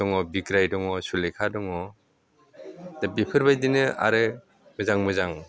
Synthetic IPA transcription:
ɔŋɔbiɡɾajdɔŋɔsulekʰadɔŋɔ | dabipʰɯɾbajdinɯa̰ɾɯ | mɯzaŋmɯzaŋ

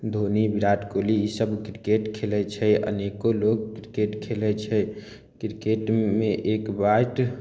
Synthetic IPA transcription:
d̪ʱonibiɾaʈkoliisəbkɾikeʈkʰelɛt͡ʃʰɛʔə̰nekolokkɾikeʈkʰelɛt͡ʃʰɛ | kɾikeʈmeʔekbaʈ

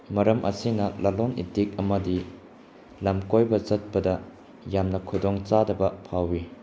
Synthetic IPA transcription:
mɐɾɐmʔɐ̰sinɐlalonḭdik̚ɐmɐdi | lamkojbɐzɐt̚pɐdɐ | jamnɐkʰudoŋt͡ʃadɐbɐpʰawi

